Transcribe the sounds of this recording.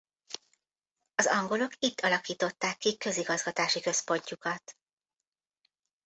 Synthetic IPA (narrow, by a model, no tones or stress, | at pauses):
ɒzɒŋɡo̞lo̞kit̪ːɒlɒkiːt̪o̞t̪ːaːkːikø̞ziɡɒzɡɒt̪aːʃikø̞spo̞ɲcukɒt̪